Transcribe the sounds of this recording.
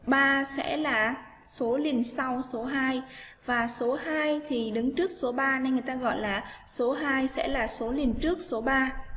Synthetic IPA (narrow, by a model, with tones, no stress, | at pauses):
ɓaː˧sɛ̰˧˥laː˨˩ | so˨˦li˨˩ənsa˧wso˨˦ɦaː˧j | vaː˨˩so˨˦haː˧jt̪ʰi˨˩ɗɨ˨˦ŋt͡ɕɨ˦˥ək̚so˨˦ɓaː˧na˧jŋɨ˨˩jt̪aː˧ɣɔ̰˧˨jlaː˨˩ | so˨˦ɦaː˧jsɛ̰˧˥laː˨˩so˨˦li˨˩ənt͡ɕɨ˦˥ək̚so˨˦ɓaː˧